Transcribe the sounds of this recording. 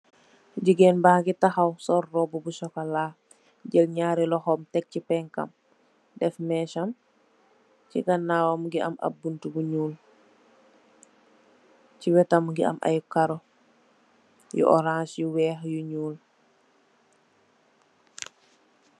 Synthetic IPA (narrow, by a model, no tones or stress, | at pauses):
ɟiɡeːnbaːɡitaxawsɔɾːɔbubuʃɔkalaː | ɟəlɲaːɾilɔxɔmtɛk̚cipɛŋka̰m | dɛfmɛːʃam | cḭɡanːaːwomɡia̰mʔa̰buntubuɲuːl | ciwɛtamɡia̰mʔa̰jukaɾo | jṵʔɔ̰ɾãsjuwɛːxjuɲuːl